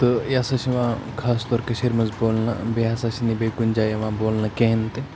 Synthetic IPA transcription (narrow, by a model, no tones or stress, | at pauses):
t̪ɨjaːsɐʃiʋãːkʰaːst̪ɔːɾkeʃiɾmɐzboːlnɐ̰beasɐsinibeːkund͡ʒaːjeʋãːboːlnɐkeɦnt̪e